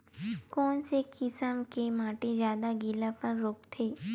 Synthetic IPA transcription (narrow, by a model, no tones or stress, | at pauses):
kɔːnsekɪsəmkemaːʈezjaːd̪aɡɪlapɐɾːoːkt̪ʰeː